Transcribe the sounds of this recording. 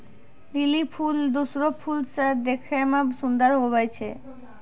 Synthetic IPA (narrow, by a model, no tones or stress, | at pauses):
d̪ilipʰuld̪usɾopʰulsaɾd̪ekʰemabsund̪aɾɦobajt͡ɕʰe